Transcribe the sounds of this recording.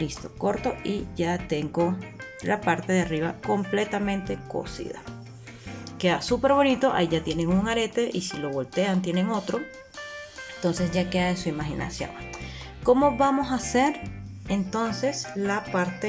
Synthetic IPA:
list̪o̞ko̞ɾt̪o̞iʝat̪e̞ŋɡo̞ | lapaɾt̪e̞ðeariβa̰ko̞mple̞t̪amẽ̞nt̪e̞ko̰sḭða̰ | keasupe̞ɾβo̞nit̪o̞ʔa̰iʝat̪je̞ne̞ŋuŋaɾe̞t̪e̞ʔisilo̞βo̞lt̪e̞ant̪̬je̞ne̞ŋo̞t̪ɾo̞ | ent̪o̞nse̞sʝakeaesuimaxina̰sjo̰ŋ | ko̞mo̞βamo̞sase̞ɾ | ent̪o̞nse̞slapaɾt̪e

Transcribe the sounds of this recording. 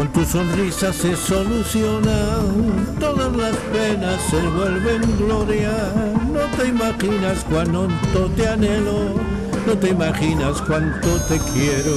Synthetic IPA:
ont̪uso̞nrisase̞so̞luθjona | t̪o̞ðazlaspe̞nasːeβwe̞lβe̞ŋɡlo̞ɾjano̞t̪e̞imaxinaskwanont̪o̞t̪eane̞lo | no̞t̪eimaxinaskwant̪ot̪e̞kjeɾo

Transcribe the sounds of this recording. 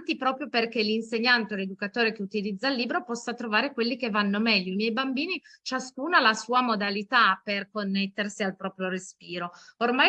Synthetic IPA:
t̪ipɾɔːpɾjoperk̟elinseɲːant̪eled̪ukat̪oːɾek̟eut̪ilid̪zːalːiːbɾopɔsːat̪ɾovaːɾekwelːikevːanːomɛʎːoimjɛjbambiːnit͡ʃaskuːnalasuːamod̪alit̪aperkonːet̪ːersialpɾɔːpɾjoɾespiːɾoormaj

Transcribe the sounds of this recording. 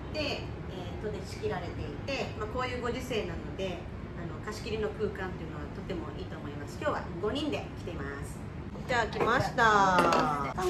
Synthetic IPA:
d̪̥e̞ | et̪ːo̞d̪e̞ɕi̥kʲiɾaɾe̞t̪e̞it̪e̞mako̞ːjɯ̟ːɡo̞ʑise̞ːnãno̞d̪e̞ | ano̞kaɕi̥kʲiɾʲino̞kɯ̟ːkãnt̪e̞jɯ̟no̞βat̪o̞t̪e̞mo̞̰ʔiːt̪o̞ːmo̞imasɨ̥kʲo̞ːβa̰ɡo̞ɲ̟ĩnd̪e̞kʲi̥t̪e̞imasɨ̥ | d͡ʑakʲimaɕi̥t̪a

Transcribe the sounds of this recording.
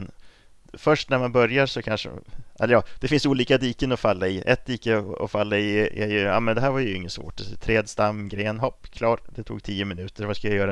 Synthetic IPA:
n | fœʂʈnæɾmanbœɾjaʂɔkʰanʂə̰ʔɛ̰lːɾjɑːd̪̥ɛfɪnsuːliːkad̪iːkənɔfalːaɪʔɛ̰t̪̚d̪iːkəɔ̰falːaɪjɛ̰jɑ̰mɛnd̪ɛɦæːɾvaɾjəɵɪŋːət̪svo̰ːʈt̪ʰɾeːd̪st̪amːɡɾeːnɦɔpːkʰlɑːɾd̪ɛt̪ʰṵːɡ̚t̪ʰiːʊmɪnʉ̟ːt̪ʰəɾvaskajajœːɾa

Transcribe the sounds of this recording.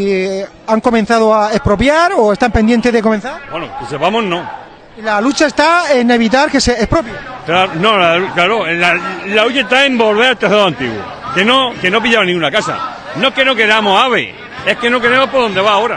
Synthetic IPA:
aŋko̞mẽn̟θað̞oaehpɾopjaɾoest̪ampend̪je̞nt̪eðek̬o̞menθaɾweno̰kesepamo̞nno̞ | lalut͡ʃae̞st̪aene̞β̞it̪̬aɾkeseehpɾopjaklaono̞laklaɾolalaluʝaet̪aẽ̞mbo̞lβe̞ɾalt̪aθaðoant̪ḭɣwṵ | kenoke̞no̞p̬iʎaβanĩŋɡunakasa̰ | noeke̞noke̞ɾamosaβḛ | e̞hke̞no̞ke̞ɾemo̞poðo̞nd̪e̞βaoɾa

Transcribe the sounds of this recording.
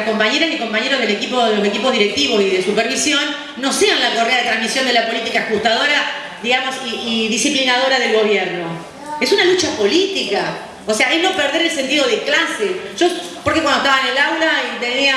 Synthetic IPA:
ko̞mpaɲeɾasiko̞mpaɲeɾoðele̞kipoðelose̞kipoðiɾek̚t̪iβo̞siðesupeɾβisjo̞nː | o̞seanlakoreaðet̪ɾãnmisjo̞nd̪elapo̞lit̪ikaxuht̪aðo̞ɾa | ðiɣamo̞siːðisiplinaðo̞ɾaðe̞lɣo̞β̞jeɾno̞ | esunalut͡ʃapo̞lit̪ika | oseaeɦno̞peɾð̞e̞ɾels̬e̞nt̪iðoð̞eklaseʒ̥opoɾkekwand̪ot̪aβaenelawlait̪enia

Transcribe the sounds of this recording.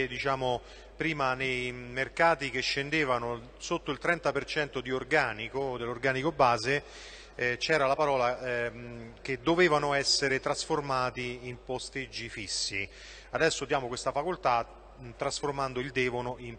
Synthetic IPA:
d̪it͡ʃaːmo | pɾiːmanejmerkaːt̪ik̟eʃːend̪eːvano | sot̪ːoilt̪ɾɛnt̪apert͡ʃɛnt̪od̪iorɡaːnikod̪elːorɡaːnikobaːze | t͡ʃɛːɾalapaɾɔːla | ked̪ːoveːvanoɛsːeɾet̪ɾasformaːt̪iːmpost̪ed͡ʒːifisːi | ad̪ɛsːod̪jaːmokwest̪afakolt̪a | t̪ːɾasformand̪oild̪ɛːvonoʔim

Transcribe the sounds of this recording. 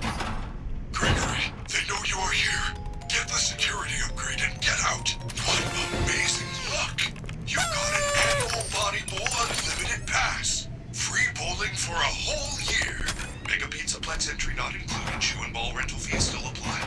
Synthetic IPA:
ɡ̥ɹeɡə˞i | ðeɪnoʊjəə˞hiɹ | ɡ̥ɛt̪̚ðəsɨkʰj̥ʊɹɨɾiʌp̚ɡ̥ɹeɪɾɨ̃nɡɛɾaʊt | wʌtəmeɪzɪ̃ŋlʊk | jɨvɡɑɾɨ̃næɡəbl̩ˠbɑɾiboʊlˠə̃nlɪmɨɾɨd̚pʰæs | fɹiboʊlˠdɪ̃ŋfə˞əhoʊlˠjɪɹ | mɛ̰ɡɨpʰĩnsəpʰl̥ɛtsɛ̃nt͡ʃɹ̥inəɾɨ̃nkʰl̥uɨ̃dʃʉə̰̃nbɔlˠɹɛ̃ntˡl̩ˠfiz̥stɪlˠəpʰl̥aɪd

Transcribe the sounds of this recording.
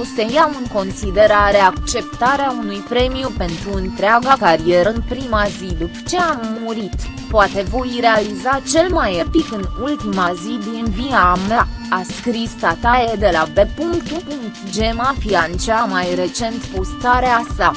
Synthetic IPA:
ost̪ejaɨŋko̞nsid̪e̞ɾaɾeakt͡ʃe̞pt̪aɾeaunujpɾe̞miupe̞nt̪ɾuɨnt̪ɾeaɡakaɾie̞ɾəɨnpɾimazid̪upə̥t͡ʃe̞amːuɾit̪ | poat̪e̞vojɾe̞alizat͡ʃe̞lmajepikɨnult̪imazid̪inviamaːskɾist̪at̪aed̪e̞labe̞puŋt̪uʔuŋd͡ʒe̞mafiant͡ʃeamajɾe̞t͡ʃe̞nt̪pust̪aɾeasa

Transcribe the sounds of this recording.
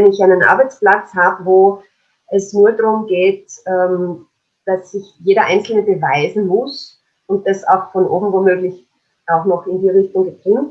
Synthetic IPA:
ɛnɪçʔaɪnənʔa̰ɐbaɪt͡splat͡shaːbəvoː | ʔɛsnuːɐdʁʊmɡeːtɛːm | d̥asːɪçjeːɾɐʔaɪnt͡sl̩nəbəvaɪzn̩mʊs | ʊnt̚d̥asa̰ʊxfɔnʔo̰ːbm̩vomøːɡlɪç | ʔaʊxnɔxɪndiːʁɪçtʊŋɡətʁ̥ɪŋt

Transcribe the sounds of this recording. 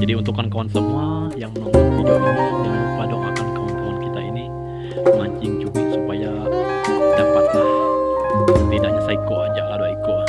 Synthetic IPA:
d͡ʒadiunt̪ukankawansəmuajaŋməmuk̪ud͡ʒoanəmupadoŋakankawankawankit̪aini | maɲt͡ʃɪŋt͡ʃukap̚supaja | dapat̪̚lah | t̪idahɲasaikoad͡ʒaʔadoikoa

